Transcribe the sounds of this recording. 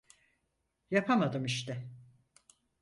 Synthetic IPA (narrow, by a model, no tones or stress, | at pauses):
japʰamad̪ɯmiʃt̪ɛ